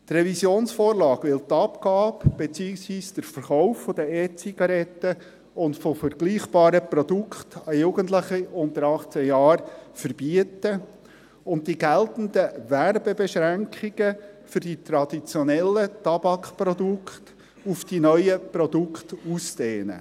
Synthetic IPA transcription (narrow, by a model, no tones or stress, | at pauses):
t̪rɛvisjoːnsfɔːɾlɑːɡʋɪlt̪ɑpkɑːbb̥et͡siːɪksʋiːsd̥əɾfəɾχaʊfːɔd̪əɛt̚t͡siɡ̥ɑɾɛtːə | ʊntfɔfəɾɡ̥liːχb̥ɑːɾəpɾɔd̥ukχt̪ɑjuɡ̥əntləχiʊntəɾɑχt͡səjɑːɾfəɾb̥iətə | ʊnt̚diɡæltn̩dəʋærbebɛʃɾæŋkχiɡ̥əfʏɾd̥it̪ɾɑdit͡sjɔnɛlːətɑb̥ɑkχpɾɔdukχt | ufd̥inœjəprɔdukχtusdeːnə̰